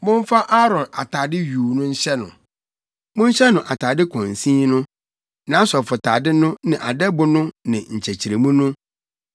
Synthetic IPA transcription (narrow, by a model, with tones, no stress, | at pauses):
mʊ̃˦m˦fa˦ʔa˦ɾɔ̃˨na˨tʰaː˨dɪ˦ɥuː˨nʊ̃˦ɲ̩˦ɕɛ˦nʊ̰̃˨ | mʊ̃˦ɲ̩˦ɕɛ˦nʊ̃˨ʔa˨tʰaː˨dɪ˦kʰɔ̃˨n˨sĩ˦nʊ̃˦ | nã˨˦sɔ˨fʊ˨tʰaː˨dɪ˦nʊ̃˦nɪ̃˨ʔa˨dɛ˦bʊ˦nʊ̃˦nɪ̃˨ɲ̩˨t͡ɕʰæ˨t͡ɕʰi˨ɾe˨mũ˦nʊ̃˦